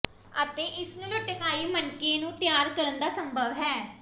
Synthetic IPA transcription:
ət̪eːʔɪsnũːləʈəkaːiːmənkeːnũːt̪jaːɾkəɾənd̪aːsəmbʱəʋɦɛː

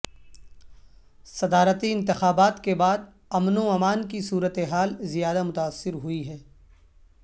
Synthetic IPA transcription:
sɐd̪aːɾət̪iɪ̃nt̪ɪxaːbaːt̪kebaːd̪ | ɐmnõɐmaːnkisuːɾət̪eɦaːlzijaːd̪amʊt̪aːsːɪɾɦʊiɦɛː

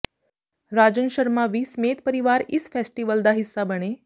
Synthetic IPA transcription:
ɾad͡ʑənʃəɾmaʋiːsmeːt̪̚pəɾiʋaːɾisfɛsʈiʋəld̪aɦisːabəɽ̃e

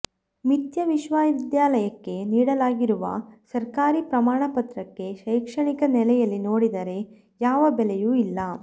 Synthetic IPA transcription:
mit̪jɐʋiʃʋaːʋid̪jaːlɐjɐkːe̞niːɽɐlaːɡiɾuʋɐ̰sɐɾkaːɾipɾɐmaːɳɐpɐt̪ɾɐkːe̞ʃɐjkʂɐɳikɐnɛlɛjɐlːino̞ːɽid̪ɐɾe̞ | jaːʋɐbɛlɛjuilːɐ

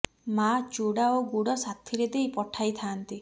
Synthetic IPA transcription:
mat͡ʃuɽaoɡuɽɔsat̪ʰiɾed̪ejpɔʈʰajt̪ʰaːnt̪i

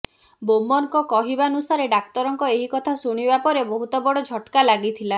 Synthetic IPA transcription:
bomɔnkɔkɔɦibanusaɾeɖak̚t̪ɔɾɔŋkɔeɦikɔt̪ʰasuɽ̃ibapɔɾebɔɦut̪ɔbɔɽɔd͡ʒʱɔʈkalaɡit̪ʰila

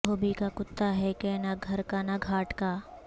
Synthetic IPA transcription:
oːbikakʊt̪ːaɦɛkɛːnaɡʱɐɾkanaɡʱaːʈkaː

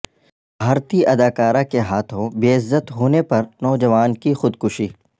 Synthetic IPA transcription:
ɦɐɾt̪iʔɐd̪aːkaːɾakeɦaːt̪ʰõbeːɪzːət̪ɦoːnepɐɾnɔːd͡ʒɐʋaːnkixʊd̪kʊʃiː

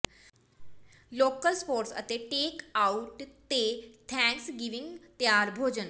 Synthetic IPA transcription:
loːkəlspoːɾʈsə̰t̪eʈeːkaʊʈt̪et̪ʰɛ̃ːŋksɡiʋɪ̃ŋɡt̪jaːɾbʱoːd͡ʑən

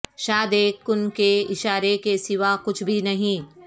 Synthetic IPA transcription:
ʃaːd̪ekːʊnkeɪʃaːɾekesɪʋakʊt͡ʃʰbʱinɐɦĩː

